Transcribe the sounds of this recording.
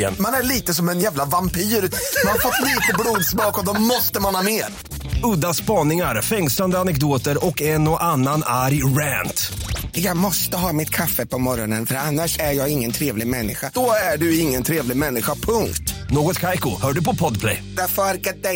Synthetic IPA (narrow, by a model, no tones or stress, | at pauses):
ɛ̰manæɭiːt̪əsɔmɛnjæːvlavampiːɾmanhafɔt̪ːliːt̪əbluːd̪smɑːkɔd̪ɔmɔst̪əmanhɑːmeːɾ | ɵd̪ːaspɑːnɪŋaɾfɛŋsland̪əanɛkd̪oːt̪əɾɔkɛnɔʔanːanaɾjɾæːnt̪jɑːɡmɔst̪əɦɑːmɪt̪kʰafːəpʰɔmɔɾɔnənfœɾanːaʂæjɑːɡɪŋːənt̪ʰɾeːvlɪɡmɛnːɪ̰ɧad̪̥ɔæɖɵɪŋːənt̪ʰɾeːvlɪɡmɛnːɪɧapʰɵŋkt̪noːɡɔt̪kʰajkʊhœːɖɵpɔpʰɔd̪pʰlɛ̰jd̪ɛfaɾkat̪̚d̪ɛ